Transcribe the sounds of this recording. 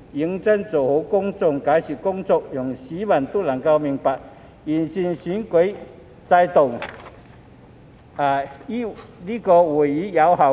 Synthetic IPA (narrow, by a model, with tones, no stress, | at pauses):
i˨˧˥ŋt͡sə˥nt͡so˨˩who˨˦wkʊ˥ŋt͡sʊ˧˨ŋka˨˧˥jɕi˨˩kʊ˥ŋt͡sɔ˧k̚jʊ˨˩ŋɕi˨˧˦ma˨˩nt̪u˥˧˨la˨˩ŋka˧wmi˧ŋpa˨ | i˨˩nɕi˧nɕi˨˦˥nkwe˨˥˦j | t͡sa˧jt̪o˨˩ŋ | a˨˩i˥li˥kɔ˧wu˨˩i˨˥ja˨˦˥wɦa˨˩